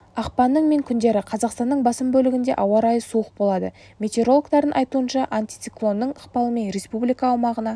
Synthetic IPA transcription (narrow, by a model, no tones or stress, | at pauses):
ɑqpɑnːəɴme̞ŋkʲʰʏnd̪e̞ɾɪqʰɑzɑqst̪ɑnːəɴbɑsəmbɵlɪɡʲɪnd̪e̞̰ʔɑwɑɾɑjəsuəq̚bo̞lˠɑd̪ə | mʲe̞t̪ʲe̞ɾo̞lˠkt̪ɑɾd̪ənʔɑjt̪uənʃɑʔant̪i̥t̪siklˠo̞nːəɴəqpɑlˠəme̞nɾe̞spublijkɑːwmɑʁənɑ